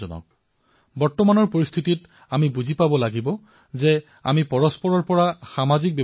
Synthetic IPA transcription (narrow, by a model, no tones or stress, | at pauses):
ɔnɔ̰k̚ | bɔɹtɔmanɔɹpoɹist̪ʰitit | amibuzipabɔlaɡibɔ | zɛ | a̰mipɔɹɔspɔɹɔɹpɔɹaxamazik̚bjɛ